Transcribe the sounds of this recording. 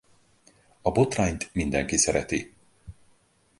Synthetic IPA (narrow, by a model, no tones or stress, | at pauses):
ɒbo̞t̪raːɲt̪mind̪ɛŋkisɛɾɛt̪i